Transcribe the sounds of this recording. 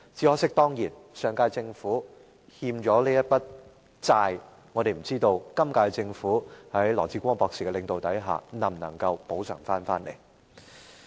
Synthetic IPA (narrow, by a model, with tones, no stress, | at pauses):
t͡siː˨˥hɔː˥sɪ˥k̚t̪ɔː˥ŋjiː˨˩nsœː˨˧ŋkaː˧jt͡sɪ˧ŋfuː˨˥ | hiː˧mt͡ʃɔː˨˥liː˥jɐ˥t̚pɐ˥t̚ | t͡saː˧j | ŋɔː˨˧ɾe˨jm̩˨˩t͡siː˥t̪o˧wkɐ˥mkaː˧t͡sɪ˧ŋfuː˨˥hɐ˨˥jlɔː˨˩t͡siː˧˥kʷɔː˥ŋpɔː˧ksi˨˩ɛ˧lɪ˨ŋt̪o˨wt̪ɐ˨˥jɦa̰ː˨nɐ˨˩mnɐ̰˨˩ŋkɐ˧wpo˨˥wsʰœ̰ː˨˩ŋfaː˥nfaː˥nle˨˩j